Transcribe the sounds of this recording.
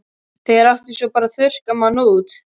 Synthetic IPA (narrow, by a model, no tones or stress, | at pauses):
θeɛɾaft̪ɪnsɔpaːɾaθʏr̥kamanuːt̪